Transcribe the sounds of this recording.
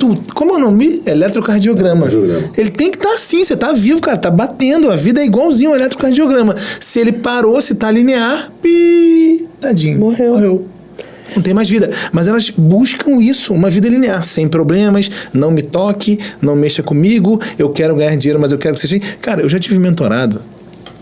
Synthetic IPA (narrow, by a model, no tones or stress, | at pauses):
t̪udkõmʊewnõmɪelɛt̪ɾokaɾd͡ʒioɡɾɐ̃mɐõmelɪt̪ẽj̃kɪ̥t̪aɾasĩset̪avivʊkaɾɐt̪abat̪ẽnd̪ʊɐvid̪ɐɛiɡwawzĩɲʊ̃ũelɛt̪ɾokaɾd͡ʒioɡɾɐ̃mɐsɪelɪpaɾosɪt̪alineaɾpi | d̪ad͡ʒĩɲʊmohewhew | nɐ̃w̃t̪ẽj̃majzvid̪ɐmɐzɛlɐzbuʃkɐ̃w̃isʊũmɐvid̪ɐlineaɾsẽj̃pɾoblẽmɐsnɐ̃w̃mɪt̪ɔkʰɪnɐ̃w̃meʃɐkõmiɡʊewkɛɾʊɡɐ̃ɲaɾd͡ʒiɲejɾʊmɐzewkɛɾʊkɪ̥seʒɐ̃kaɾɐewʒat͡ʃivɪmẽnt̪oɾad̪ʊ